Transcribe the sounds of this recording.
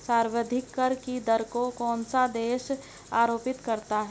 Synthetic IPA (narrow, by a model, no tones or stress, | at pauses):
saːɾwəd̪ʱɪkːəɾkid̪əɾkokɔːnsad̪eːʃ | aːɾoːpɪt̪kɐɾt̪aɦɛ